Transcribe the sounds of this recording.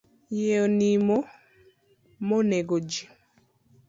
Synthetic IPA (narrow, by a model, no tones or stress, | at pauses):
jeonimo | moneɡod͡ʒi